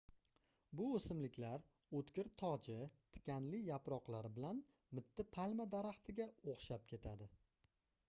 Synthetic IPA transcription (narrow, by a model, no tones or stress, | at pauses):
bʊosɪmlɪkʲlaɾ | ot̪kʲɪɾt̪ʰɒd͡ʒɪt̪ʰɪ̥kʲʰanlɪjapɾɒqlˠaɾɪbɪlan | mɪt̪ʰːɪpʰalmad̪aɾaχt̪ʰɪɡʲaoχʃap̚kʲʰe̞t̪ʰad̪ɪ